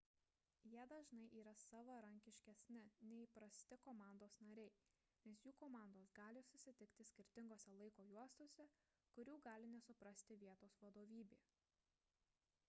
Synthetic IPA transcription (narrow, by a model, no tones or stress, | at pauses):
jiɛd̪ɐʒnɐɪʔiːɾɐsɑːʋɐɾɐŋʲkʲɪʃʲkʲɛsʲnʲɪnʲɛɪpɾɐsʲt̪ʲɪkoːmɑˑnd̪oːsnɐɾʲɛɪ | nʲɛsjuːkoːmɑˑnd̪oːsɡɑːlʲɪsʊsʲɪt̪ʲɪkt̪ʲɪsʲkʲɪɾʲt̪ʲɪŋɡoːsʲɛlˠɐɪkoːjuɔst̪oːsʲɛ | kʊɾʲuːɡɑːlʲɪnʲɛsʊpɾɐsʲt̪ʲɪʋʲiɛt̪oːsʋɐd̪oːʋʲiːbʲeː